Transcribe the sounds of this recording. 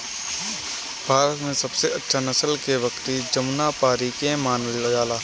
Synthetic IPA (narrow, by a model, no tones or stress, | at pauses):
b̥ʱaːɾət̪mẽsɐbseɐtːʃʰanɐsəlkeʋɐkt̪id͡ʒɐmnapaːɾikẽmaːnllɐɡaːlaː